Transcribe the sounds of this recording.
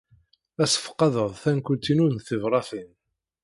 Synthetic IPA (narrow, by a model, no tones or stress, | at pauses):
æsə̥fə̥qːɑðəðˤθænkʷʊt̪ːinuɾnθəvɾˤɑθin